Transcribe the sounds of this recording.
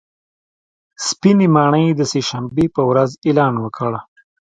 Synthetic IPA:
spinemɑɳəjd̪əseʃambepəwɾazelɑnwəkʰəɽ

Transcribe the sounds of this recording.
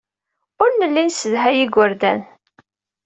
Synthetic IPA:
ʊɾnəlːinsəðɦæjiɡʷəɾd̪æ̰n

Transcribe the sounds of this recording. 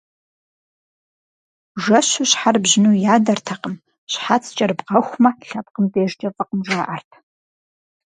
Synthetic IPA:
ʒɐɕuɕħarbʑɪnuːjaːdɐrtʰɐqəm | ɕħat͡sʰt͡ʃʼɐrbqɐxʷmɐɬɐpqəmdeːʒd͡ʒʼɐfʼɐqəmʒʷaːʔɐrtʰ

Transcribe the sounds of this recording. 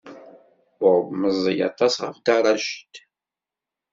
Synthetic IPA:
ʊbməzˤːəjɑ̰t̪ˤɑsʁə̰fd̪ɑɾˤɑʃt̪

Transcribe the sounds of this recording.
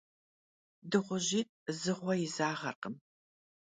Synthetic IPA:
dɨʁʷʊʑiːt̚ʼ | zɨʁʷɔjɪzaːʁɐrqəm

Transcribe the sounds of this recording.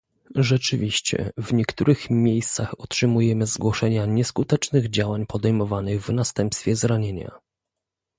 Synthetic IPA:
ʐɛt͡ʂɘvʲiɕt͡ɕɛ̰vɲɛkt̪uɾɘxmʲjejst̪saxɔtʂɘmujɛmɘzɡwɔʂɛɲaɲɛskut̪ɛt͡ʂnɘɣd͡ʑawaɲpɔd̪ɛjmɔvanɘɣvnast̪ɛmpst̪fʲjɛzɾaɲeɲa̰

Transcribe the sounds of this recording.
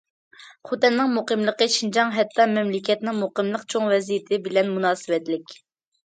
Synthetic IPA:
χot̪ɛnːɪŋmuqəmlˠəqəʃind͡ʒɑŋɦɛt̪ʰːɑmɛmlɪkʲʰɛt̪nɪŋmuqəmlˠəqt͡ʃʰoŋvɛzijit̪ʰɪbɪlɛnmunɑːsɨwɛt̪lɪkʲ

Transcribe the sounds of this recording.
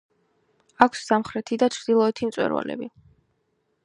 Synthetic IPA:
akʷʰsːamχɾɛt̪ʰid̪at͡ʃʰɾd̪ilˠɔɛt̪ʰimt̪sʼwɛ̰ɾwa̰lɛ̰bi

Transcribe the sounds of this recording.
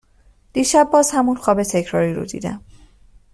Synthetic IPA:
d̪̥iʃæbːɒzhæmunxɔːbet̪ʰekʰɾɒɾiɾo̰d̪ḭd̪æ̰m

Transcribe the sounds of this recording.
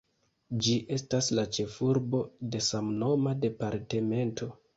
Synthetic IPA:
d͡ʒiʔe̞staslat͡ʃe̞fuɾbo̞de̞samno̞made̞paɾte̞me̞ntʰo̞

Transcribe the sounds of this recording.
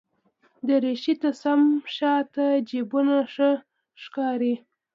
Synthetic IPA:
d̪əɾeʃit̪asamʃɑt̪ad͡ʒebunaʂə | ʂkɑɾi

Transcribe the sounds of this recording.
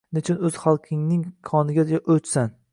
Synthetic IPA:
nɪt͡ʃʰɪnɵz̥χalˠqʰɪŋnɪŋkʰɒnɪɡʲaaʔɵt͡ʃsan

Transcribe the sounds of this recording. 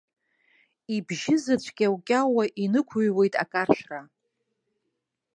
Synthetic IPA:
ibʒɪzat͡ɕʷʰʼkʲʼawkʲʼawaʔinɨkʷʰuɥwe̞jtʼa̰kʼarʃᶣra

